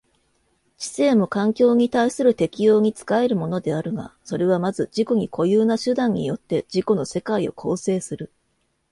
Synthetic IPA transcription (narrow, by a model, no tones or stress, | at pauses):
t͡ɕi̥se̞ːmo̞kãŋkʲo̞ːɲ̟it̪aisɨɾɯ̟t̪e̞kʲijo̞ːɲ̟it͡sɨ̥kae̞ɾɯ̟mo̞no̞d̪e̞aɾɯ̟ɡa̰so̞ɾe̞β̞amazɨd͡ʑiko̞ɲ̟ikʰo̞jɯːnaɕɨd̪ãɲ̟ːḭjo̞t̪ːe̞d͡ʑiko̞no̞se̞kaio̞̰kʰo̞ːse̞ːsɨɾɯ̟